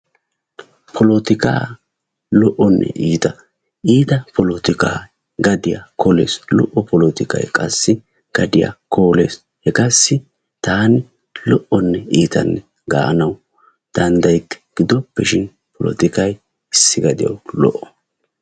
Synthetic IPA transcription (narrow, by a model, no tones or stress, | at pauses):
pʰɔlɔt̪ɪka̰ː | lɔʔɔnːɛ̰ʔiːt̪ɐ | ʔiːt̪ɐpɔlɔt̪ɪka̰ː | ɡɐd̪ɪja̰kɔlḛːslɔʔːɔpɔlɔt̪ɪkɐ̰jkʼɐsːɪ | ɡ̥ɐd̪ɪja̰koːle̞ːs | hɛkɐsːɪ | t̪aːnɪ | lɔʔɔnːɛiːt̪ɐ̰nːɛ | ɡa̰ːʔɐnɐw | d̪̥ɐnd̪ɐjt̪ːɛ̥ɡ̥ɪd̪ɔpːɛʃɪn | pɔlɔ̰t̪ɪkɐj | ɪsːɪɡɐd̪ɪ̰jɐ̰wlɔ̰ʔːɔ̥